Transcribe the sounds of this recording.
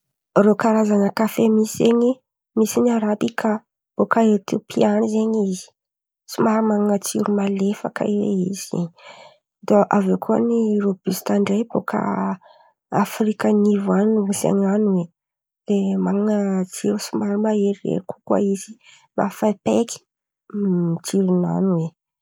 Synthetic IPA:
rokaɾazanəkafemiszeɲi | misiniaɾabikʰa | b̥okaeɾt̪upʰianizeɲizi̥ | sumaɾimaŋŋət͡siɾumalefakə̰iwḛiz̥zḛɲi | d̪oʔavekʰuaniɾob̥ist̪aɳɖ͡ʐejbokʰa̰ | afɾikanivaninuusa̰ɲanuwe | lemaŋŋət͡seusumaɾimaeɾirḛɾiku̥kwa̰izi | nafapeki̥ | t͡siɾuna̰nuwe

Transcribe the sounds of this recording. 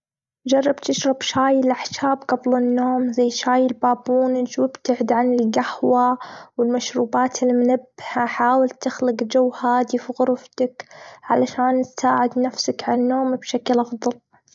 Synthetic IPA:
d͡ʒɑrˤːɑbt̪ɪʃɾˤɑbʃaːjɪlʔaħʃaːbɡɑblɪnːoːmzajːʃaːjɪlbaːbuːnɪd͡ʒwɪbt̪aʕɪd̪ʕanɪlɡahwawɪlmaʃɾuːbaːt̪ʰɪlmʊnabːɪhaħaːwɪlt̪ɪxlɪqd͡ʒawːhaːd̪ifiɣʊɾft̪akʕa̰laʃaːnt̪saːʕɪd̪nafsakʕalnːoːmbʃaklʔɑfðˤɑl

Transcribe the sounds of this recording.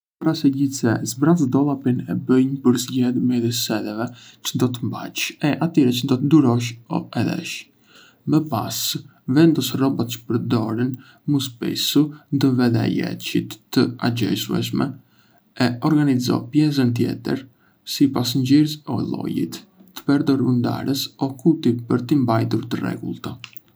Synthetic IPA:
paɾasɛɟit͡sɛzbɾazd̪ɔlˠapinɛ̰bəjnpəɾzɟɛðmɛðisɛd̪ɛvɛt͡ʃənd̪ɔt̪əmba̰t͡ʃɛʔat̪iɾɛt͡ʃənd̪ɔt̪əd̪uɾɔʃ̬ɔ̰ɛðɛ̰ʃ | məpas | vɛnd̪ɔsrɔbɔt̪t͡ʃə̥pəɾd̪ɔɾin | muspɛ̰sund̪ɔvɛðɛ̰jɛ̰t͡ʃḭt̪ːəa̰d͡ʒɛ̰suɛ̰ʃ̬mɛ | ɛɔɾɡanizɔ̰pjɛs̬ənt̪̬jɛ̰t̪ə̰ɾ | sipasɲɟiɾzɔlˠɔ̰jḭt̪ːə̥pɛɾd̪ɔɾund̪a̰ɾəsɔkut̪ipəɾt̪imbajt̪̬uɾt̪ərɛ̰ɡṵlˠt̪a

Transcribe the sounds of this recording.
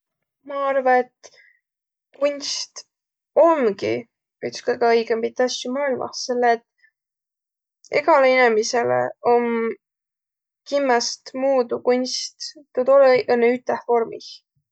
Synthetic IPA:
mɑɑrvɑet̪ | kunʲst̪ | o̞nɡḭ | ykskɤjɡ̥ɑɤjɡempit̪ːˑɑsʲt̪imɑːijlmʔɑ̰selːet̪ | eɡɑleinemiselḛom | kimːɑst̪muːd̪ukunʲst̪t̪od̪oleʔenːeyt̪ːˑehfo̞rmḭh

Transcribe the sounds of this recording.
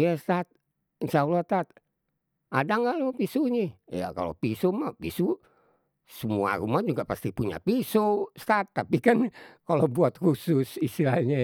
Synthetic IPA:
jast̪at̪̚ | nsaulat̪at̪̚ | ʔadaŋɡalopisuɲḭja̰ka̰lo̰pisomapisu | səmua̰ɾumad͡ʒuɡapast̪ipuɲa̰pisost̪at̪ːapikankalobuat̪husʊsist̪ilaɲa

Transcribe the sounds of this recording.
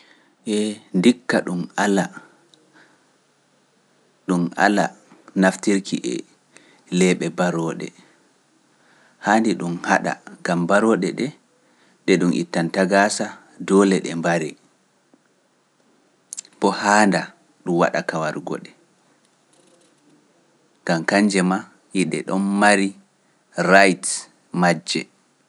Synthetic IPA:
ʔɛndikːaɗumala | ɗuma̰la̰naftiɾkiʔɛ̰ | lɛːɓɛbaɾɔːɗɛ̰ | haːndiɗumhaɗa̰ɡambaɾɔːɗɛɗɛ | ɗɛɗumʔḭtːantaɡaːsa | dɔːlɛɗɛmbaɾɛ | b̥ɔhaːnda | ɗumwa̰ɗa̰kawaɾɡɔ̰ɗɛ | ŋɡamkaɲd͡ʒɛma | jiɗɛ̰ɗɔnmaɾi | ɾajt | mad͡ʒːɛ

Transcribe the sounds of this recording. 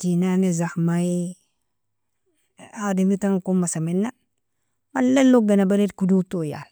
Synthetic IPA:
tinanizaxma | adimitaŋkumːasaminːa | malːelːoɡanabaɾetkudutoja̰l

